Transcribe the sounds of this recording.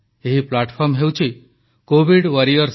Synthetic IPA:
eɦiplaʈpʰɔɾmɦewt͡ʃʰi | kobiɽʋəɾiəɾs

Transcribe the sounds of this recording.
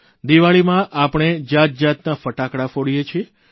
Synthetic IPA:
d̪iʋaɭimãʔapəɽ̃ed͡ʒat̪̚d͡ʒat̪nafəʈakɽafoɽijet͡ʃʰie

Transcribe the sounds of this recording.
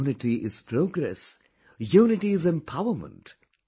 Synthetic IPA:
nɪʈiʔɪz̥pʰɾoːɡɾɛ̰s | juːnɪʈiɪzɛ̃mpʰaʊəmə̰̃nʈ

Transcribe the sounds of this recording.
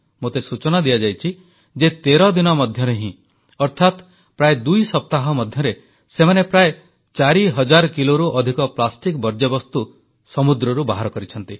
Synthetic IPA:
mot̪esut͡ʃɔnad̪ijad͡ʒajt͡ʃʰi | d͡ʒet̪eɾɔd̪inɔmɔd̪ʱjɔɾeɦĩ | ɔɾt̪ʰat̪ | pɾaed̪ujsɔp̚t̪aɦɔmɔd̪ʱjɔɾe | semanepɾae | t͡ʃaɾiɦɔd͡ʒaɾɔkiloɾuʔɔd̪ʱikɔplasʈikbɔɾd͡ʒɔbɔst̪u | sɔmud̪ɾɔɾubaɦaɾɔkɔɾit͡ʃʰɔnt̪i

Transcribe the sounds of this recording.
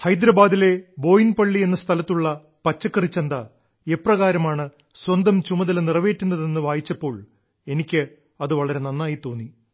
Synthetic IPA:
hɐjd̪ɾɐbaːd̪ile̞bo̞ːjinpɐɭːie̞nːɐst̪ʰɐlɐt̪ːuɭːɐ | pɐt͡ɕːɐkːɐrit͡ɕːɐnd̪ɐ | eprɐɣaːɾɐmaːɳɨ | swɐnd̪ɐmt͡ɕumɐðɐlnirɐʋe̞ːʈːunːɐðe̞nːɨʋaːjit͡ɕːɐpːo̞ːɭ | e̞nikʲːɨ | ɐðɨʋɐɭɐɾe̞nɐnːaːjit̪o̞ːnːi

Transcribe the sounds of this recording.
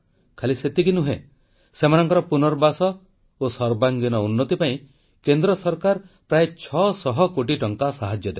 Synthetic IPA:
kʰaliset̪ikinuɦḛ | semanɔŋkɔɾɔpunɔɾbasɔ | osɔɾbaŋɡinɔunːɔt̪ipaĩ | kend̪ɾɔsɔɾkaɾpɾaet͡ʃʰɔsɔɦɔkoʈiʈɔŋkasaɦad͡ʒjɔd̪e

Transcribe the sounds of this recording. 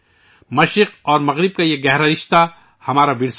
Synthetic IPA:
mɐʃɾɪqɔːɾmɐɣɾɪb̚kajeɡɛɦɾaɾɪʃt̪a | hɐmaːɾabɪɽs

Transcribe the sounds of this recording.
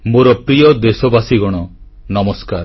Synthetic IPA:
moɾɔpɾijɔd̪esɔbasiɡɔɽ̃ɔ | nɔmɔskaɾ

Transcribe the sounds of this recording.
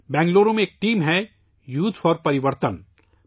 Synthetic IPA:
bɛ̃ːŋɡloːɾõmẽːk̚ʈiːmɦɛ | juːt̪fɔːɾpɐɾɪʋəɾt̪ən

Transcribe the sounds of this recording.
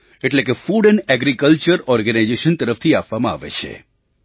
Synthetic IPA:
eʈlekefuɖənɛɡɾikəlt͡ʃəɾɔɾɡənajd͡ʒeʃənt̪əɾəft̪ʰiapʋamãa̰ʋḛt͡ʃʰḛ

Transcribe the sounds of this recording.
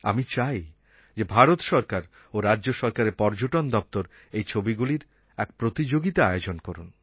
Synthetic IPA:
a̰mit͡ɕaj | d͡ʑebʱaɾot̪ʃɔɾkaɾ | oɾaːʑoʃɔɾkaɾeɾpɔɾd͡ʑoʈond̪ɔp̚t̪oɾ | ejt͡ɕʰobiɡuliɾ | ɛkpɾot̪id͡ʑoɡit̪aaeod͡ʑonkɔɾun

